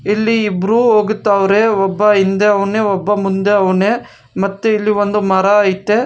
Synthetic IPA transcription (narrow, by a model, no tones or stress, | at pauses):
ilːiːbɾuɦoːɡut̪ːaːʋɾeːɔbːɐɦind̪eɐʋɐɳeːɔbːɐmund̪eɐʋɐɳeː | mɐt̪ːuilːiʋond̪umɐɾɐːjit̪ːe